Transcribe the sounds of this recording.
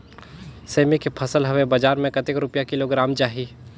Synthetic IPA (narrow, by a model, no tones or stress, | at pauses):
seːmikepʰɐsəlɦɐwebɐd͡ʒaːɾmẽkɐt̪ɪkɾʊpjakɪloɡɾaːmt͡ʃaːɦi